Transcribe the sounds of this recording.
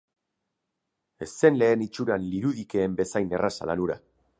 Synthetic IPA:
e̞se̞nle̞ːnit͡ʃuɾanliɾuðike̞ːmbe̞sajne̞rasa̰la̰nuɾa̰

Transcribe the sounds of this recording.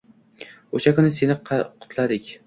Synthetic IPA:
oʃakʊnɪse̞nɪqʰqʰʊ̥t̪ʰlad̪ɪkʲ

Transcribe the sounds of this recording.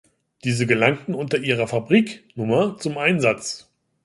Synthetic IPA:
d̥iːzəɡəlaŋtn̩ʊntɐʔiːʁɐfabʁiːknʊmɐt͡sʊmʔaɪnzat͡s

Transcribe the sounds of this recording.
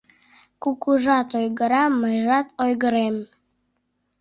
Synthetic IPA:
kukuʒɑt̪ojɣəɾɑməjʒɑt̪ojɣəɾem

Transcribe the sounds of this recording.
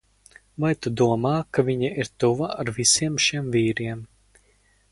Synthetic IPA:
vajt̪ud̪uɔmaːkavʲiɲaʔiɾt̪uvaaɾvisiɛmʃiɛmviːɾiɛm

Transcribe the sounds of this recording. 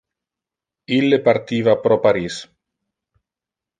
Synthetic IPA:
ilːepaɾt̪ivapɾɔpaɾis

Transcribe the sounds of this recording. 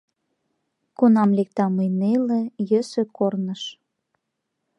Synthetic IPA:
kunɑmlek̚t̪ɑmɯjnelejøsøkornəʃ

